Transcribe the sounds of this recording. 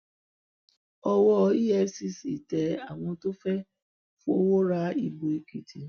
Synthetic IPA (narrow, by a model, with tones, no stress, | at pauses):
ɔ˧wɔ˧˦i˦jɛ˧si˨˧si˨tɛ˨˧˦a˨w̃ɔ̃˧to˦fɛ˦ | fũ˦o˦wo˦ɾa˦i˧bo˧i˧ki˨tʰi˨